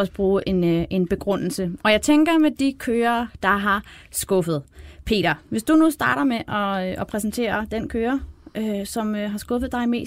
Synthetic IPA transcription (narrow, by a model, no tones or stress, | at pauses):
ɒ̽səb̥ʁuːʔe̝nʔe̝nb̥e̝ɡ̥ʁɔn̰l̩səɒ̽jɑ̈ɪt͡sʰeŋɡ̥ɐmed̥ikʰøːɐːd̥ɑ̈ɦɑ̈sɡ̥ɔ̽fəð̞̩ˠpʰe̝̰ːɾ̥ɐʋe̝sd̥unusd̥ɑ̈ːɾɐmeʔɒ̽ʔɒpʰʁɛsn̩t͡sʰe̝̰ːɐd̥enkʰøːɐøsɒ̽mɦɑ̈sɡ̥ɔ̽fð̞̩ˠd̥ɑ̈ɪme̝̰ː